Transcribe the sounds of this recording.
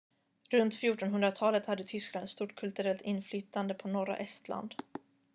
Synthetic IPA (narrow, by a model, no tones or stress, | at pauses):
ɾɵnt̪fjuːʈɔnɦɵnd̪ɾat̪ʰɑːlət̪had̪ːət̪ʰʏskland̪st̪uːʈkʰɵlt̪ɵɾɛlt̪ʰɪnːflyːt̪and̪əpʰɔnɔɾa̰ʔɛst̪la̰nd̪